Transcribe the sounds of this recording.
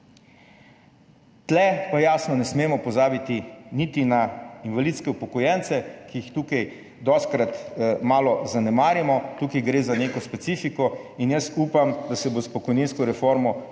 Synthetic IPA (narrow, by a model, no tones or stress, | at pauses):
t̪lɛpajaːsnɔnɛsmeːmɔpɔzaːbit̪init̪inainʋalit̪skɛupɔkɔjɛnt̪sɛkijixt̪uːkaj | d̪ɔst̪kɾat̪maːlɔzanɛmaːɾjɛmɔt̪ukajɡɾeːzaneːkɔspɛt̪siːfikɔinjasuːpamd̪asɛbospɔkɔjninskɔɾɛfoɾmɔ